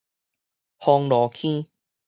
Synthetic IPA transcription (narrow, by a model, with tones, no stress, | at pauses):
hɔ˧ŋlɔ˨˦kʰĩ˦